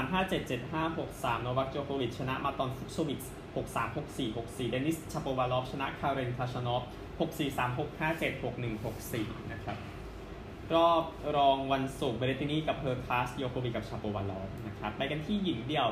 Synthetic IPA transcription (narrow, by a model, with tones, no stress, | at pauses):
saː˩˦mɦaː˥˩t͡ɕe˨˩t̪̚t͡ɕe˨˩t̪̚ɦaː˥˩ɦo˨˩k̚saː˩˦mnɔ˧wa˦˥k̚t͡ɕoː˧kʰoː˧wi˨˩t̪̚t͡ɕʰa˧na˦˥ʔmaː˧˥t̪ɔː˧nfu˦˥p̚soː˧wi˨˩t̪̚s | ho˨˩k̚saː˩˦mho˨˩k̚siː˨˩ɦo˨˩k̚siː˨˩de˧nːi˦˥st͡ɕʰaː˧poː˧waː˧lɔː˦˥p̚t͡ɕʰa˧na˦˥ʔkʰaː˧ɾe˧nkʰa˧˥sa˧nɔ˦˥p̚ | ho˨˩k̚siː˨˩saː˩˦mɦo˨˩k̚haː˥˩t͡ɕe˨˩t̪̚ho˨˩k̚nɯ˨˩ŋho˨˩k̚siː˨˩na˦˥kʰɾa˦˥p̚ | ɾɔː˥˩p̚ɾɔː˧ŋwa˧nsu˨˩k̚be˧li˦˥t̪i˧niː˥˩ka˨˩pʰɤː˧kʰlaː˦˥sjoː˧kʰoː˧wi˨˩ka˨˩pt͡ɕʰaː˧poː˧waː˧lɔː˦˥p̚na˦˥kʰɾa˦˥pːa˧jka˧nt̪ʰiː˥˩ji˨˩˦ŋdi˨˩əw